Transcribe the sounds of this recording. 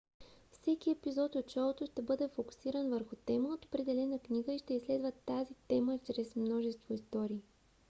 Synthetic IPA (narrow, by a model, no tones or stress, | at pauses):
fsɛkiɛpizɔt̪ot͡ʃalˠot̪ʊʃt̪ɛbɤd̪ɛfoku̥siɾənvəɾxʊt̪ɛməot̪opɾɛd̪ɛlɛnəkniɡəiʃt̪ɛislɛd̪vət̪ːazit̪ɛmət͡ʃɾɛsmnɔʒɛst̪voist̪ɔɾiː